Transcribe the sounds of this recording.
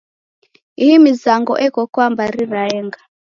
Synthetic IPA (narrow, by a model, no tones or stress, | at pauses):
ihimizaŋɡɔ̰ʔɛkɔkwambaɾiɾaɛŋɡa